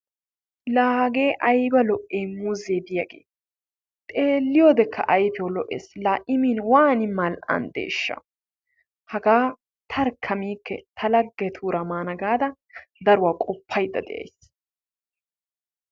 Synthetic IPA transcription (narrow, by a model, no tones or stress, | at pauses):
laːhɐɡe̞ːʔɐjbɐlɔʔeːmuːzeːbɪjɐɡḛː | t̪ʼe̞ːlːɪjoːd̪ɛkʰːɐ̰ʔɐjpɛwɔlɔʔḛslaːʔɪmiːnwaːnɪmɐlɐ̰nd̪ḛːʃːɐ̰ | hɐɡaː | t̪ʰɐɾkʰːɐmiːkːɛt̪ʰɐlɐɡːet̪ʰuːɾɐmaːnɐɡaːd̪ɐ | d̪ɐɾʊwaːkʼɔpʰːɐjd̪ːɐ̰d̪ɛʔɐ̰js